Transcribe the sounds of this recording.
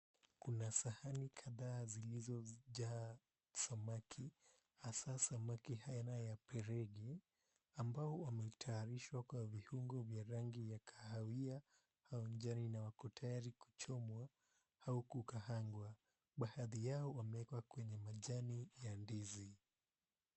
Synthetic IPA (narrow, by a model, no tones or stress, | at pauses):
kunasahanikʰaðaːzilizɔʄa | samakʰi | hasasamakihajanajapɛɾɛɡɛ | ambaɔwamɛitʰaːɾiʃwakwavihuŋɡɔvjaɾaŋɡijakʰḁhawia | haɔɲd͡ʒaninawakɔtʰajaɾiku̥t͡ʃɔmwa | haukukahaŋɡwa | ɓahaðijaɔwamɛɛkwakwɛɲɛmaʄanijandizi